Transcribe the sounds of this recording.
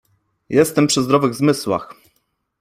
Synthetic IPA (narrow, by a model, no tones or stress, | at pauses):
jɛst̪ɛmpʂɘzd̪ɾɔvɘɣzmɘswa̰x